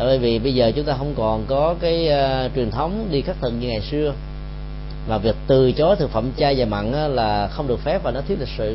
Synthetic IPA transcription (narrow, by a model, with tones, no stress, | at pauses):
vi˨˦vḭ˧˨ɓə˧jzəː˨˩t͡ɕʊ˨˦ŋ͡mt̪aː˧ɦə˧wŋ͡mkɔ˨˩nkɔ˨˦kaː˨˦jt͡ɕwi˨˩ənt̪ʰə˨˦wŋ͡mɗi˧xaː˦˥k̚t̪ʰɨ̰˧˨ŋ̚ɲɨ˧ŋa˨˩jsɨ˧ə | vaː˨˩vi˨˩ək̚t̪ɨ˨˩t͡ɕo˨˦t̪ʰɨ˨˩k̚fə̰˧˨mt͡ɕaː˧jzaː˨˩jma̰˧˨nʔaː˨˦laː˨˩xə˧wŋ͡mɗɨ˨˩ək̚fɛ˦˥p̚vaː˨˩nɔ˨˦t̪wi˦˥ət̚li˨˩sɨ̰˧˨